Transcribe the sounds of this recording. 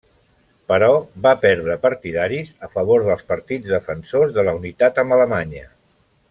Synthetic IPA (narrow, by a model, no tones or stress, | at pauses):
pəɾɔβapɛɾðɾəpəɾt̪iðaɾizəfəβ̞oɾðəlˠspəɾt̪id͡zðəfənsozðələunit̪at̪əmələmaɲə̰